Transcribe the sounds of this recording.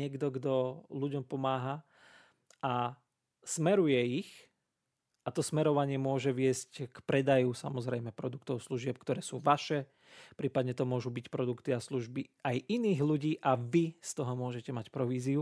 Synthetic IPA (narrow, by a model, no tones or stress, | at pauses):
ɪɛɡd̪ɔɡd̪ɔluɟɔmpɔmaːɦa | a | smɛɾujɛix | ʔat̪ɔsmɛɾɔʋaɲɪɛmʊɔʒɛʋɪɛsckpɾɛd̪ajusa̰mɔzɾɛjmɛpɾɔd̪ukt̪ɔʊsluʒɪɛp̚kt̪ɔɾɛːsuːʋaʃɛ | pɾiːpad̪ɲɛt̪ɔmʊɔʒubicpɾɔd̪ukt̪iasluʒbiajʔiniːɣluɟiːʔaʋist̪ɔɦɔmʊɔʒɛcɛmacpɾɔʋiːziu